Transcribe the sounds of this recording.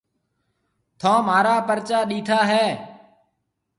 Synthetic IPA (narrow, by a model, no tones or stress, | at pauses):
t̪ʰõːmaːɾaːpəɾt͡ʃaːɗiːt̪ʰaːɦɛː